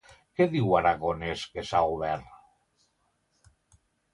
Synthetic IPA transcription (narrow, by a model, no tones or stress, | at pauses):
keðiwaɾaɣoneskesauβɛɾ